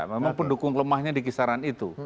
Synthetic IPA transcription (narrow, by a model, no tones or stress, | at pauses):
memaŋpəndukʊŋləmahɲadikisaɾanit̪u